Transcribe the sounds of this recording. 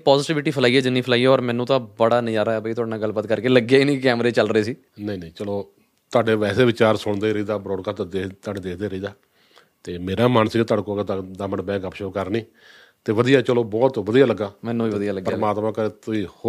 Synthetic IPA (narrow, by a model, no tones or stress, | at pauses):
pɔːzɪːʈiʋʈiːpʰəlaːiɛːd͡ʒɪnːiːpʰlaːiːeːɔːɾmɛ̃ːnũːt̪ãːbəɽaːnɪjaːɾaːɛːbəiːt̪ʊaːɖinãːɡəlbaːt̪kəɾkeːləɡeːiːnĩːkɛːmɾeːt͡ʃəlɾəeːsiː | nəĩːnə̃ːt͡ʃəloː | t̪ʊaːɖeːʋɛːseːʋɪt͡ʃaːɾsʊɳd̪eːiɾəiːd̪aːbɾoːɽkat̪d̪et̪aːɖeːd̪eːkʰd̪eːɾəiːd̪aː | t̪eːmeːɾaːmaːnst̪aːɽkoːɡet̪d̪aːməɳbɛ̃ːɡəpʃoːkəɾnĩː | t̪eːʋəd̪ijaːt͡ʃəloːbɔːt̪ʋəd̪ijaːləɡːaːmɛ̃ːnːũːiːʋəd̪ijaːləɡːpəɾəːmaːt̪mãːkəɾeːt̪ʊiːh